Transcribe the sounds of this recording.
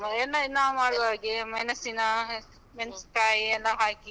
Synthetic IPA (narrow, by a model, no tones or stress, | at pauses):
ɐɛlːɐinːamaːɽuʋaːɡemɐjnɐsinɐ | mensʈaːjɛlːɐɦaːki